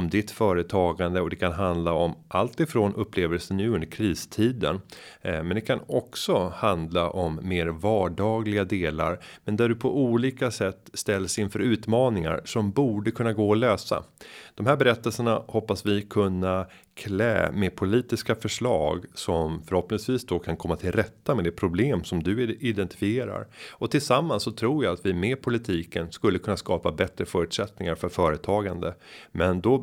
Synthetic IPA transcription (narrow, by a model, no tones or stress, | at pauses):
md̪ɪt̪fœːɾət̪ʰɑːɡand̪əɔd̪ɛkʰanɦand̪laɔmʔalt̪ɪfɾoːnʔɵpːleːvəlsənjɵːɵnd̪əɾkʰɾiːst̪ʰiːd̪ə̰n | mɛnd̪ɛkʰanɔksɔhand̪laʔɔmːeːɾvɑːɖɑːɡlɪɡad̪eːla̰ɾmɛnd̪æɖɵpʰɔʔuːliːkasɛt̪ːst̪ɛlːsɪnfœɾʉ̟ːt̪mɑːnɪŋa̰ɾsɔmbuːɖəkʰɵnːaɡoːɔløːsa̰d̪̥ɔmɦæːɾbɛɾɛt̪ːəlsəɳahɔpːasvɪkʰɵnːa | kʰlɛ̰ːmepʰʊliːt̪ɪskafœʂɭɑ̰ːɡsɔmfœɾhɔpnɪŋsviːsd̪ɔkʰankʰɔmːat̪ʰɪlɾɛt̪ːamɛd̪ɛpʰɾʊbleːmsɔmd̪ɵɪd̪ɛnt̪ɪ̥fɪeːɾa̰ɾɔt̪ʰɪlsamːansːɔt̪ʰɾuːɾjaat̪vɪmeːpʰʊlɪt̪ʰiːkənskɵlːəkʰɵnːaskɑːpabɛt̪ɾəfœːɾʉ̟t̪sɛt̪nɪŋaɾfœɾfœːɾət̪ʰɑːɡand̪əmɛnd̪ɔ